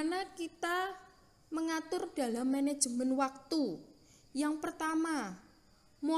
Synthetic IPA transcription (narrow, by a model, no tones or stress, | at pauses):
nakit̪a | məŋat̪ʊrd̥a̤lamːened̥ʒ̥əmənwak̚t̪u | jaŋpərt̪ama | mo